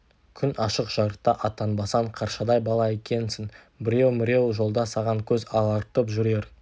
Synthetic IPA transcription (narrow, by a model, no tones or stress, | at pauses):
kʲʰʏnɑʃəqʒ̥ɑɾəq̚t̪ːɑʔɑt̪ɑnbɑsɑɴqʰɑɾʃɑd̪ɑjbɑlˠɑe̞kʲe̞nsɪŋ | bɪɾe̞wmɪɾʲe̞wʒo̞lˠd̪ɑsɑʁɑŋkʲʰɵzɑlˠɑɾt̪əpʒʏɾe̞ɾ